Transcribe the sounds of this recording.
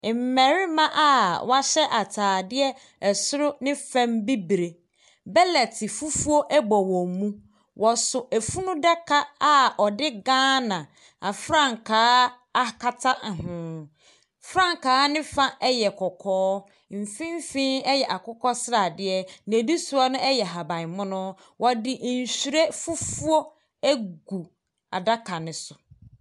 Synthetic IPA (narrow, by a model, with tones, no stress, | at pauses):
m̩˨mɛ̃˨ɾɪ˦mã˦ʔa˦wa˦ɕɛ˦ʔa˨tʰaː˨dɪ˦ɛ˦ | ɛ˨sʊ˦ɾʊ˦nɪ̃˦fɛ̃˦mbi˦bɾe˨ | bɛ˦lɛ˨tʰɪ˨fu˦fu˦o˦ʔɛ˦ɡ͡bɔ˨wɔ̃˨mũ˦ | wʔɔ˨sʊ˨ʔæ˨fu˦nũ˦dɛ˦kʰa˦a˦˨ɔ˨dɪ˦ɡãː˦nã˨ | a˨fɾã˦˨ŋ˨kʰaː˨˦ | a˦ka˦tʰa˦˨ɦʊ̃˨˦ | fɾã˦˨ŋ˨kaː˨˦nɪ̃˦fa˦ʔɛ˦jɛ˨kʰɔ˨kʰɔː˦ | m̩˨fĩ˦m˦fĩ˦ɛ˦jɛ˨ʔa˨kʊ˦kɔ˦sɾa˨dɪ˦ɛ˦n˨e˨di˦su˨˦ɔ˦nʊ̃˦ʔɛ˦jɛ˨ɦa˨bã˨ɪ˨mʊ̃˦nʊ̃˦ | wʔɔ˨dɪ˨ʔn̩˨ɕi˨ɾe˦fu˦fu˦ɔ˦ | æ˦ɡu˨ | a̰˨da˦kʰa˨nɪ̃˨sʊ̥˨